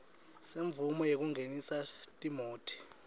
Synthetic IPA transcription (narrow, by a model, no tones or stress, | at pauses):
seɱvumɔjek̬uŋɡʱenisatʼimoːtʰi̥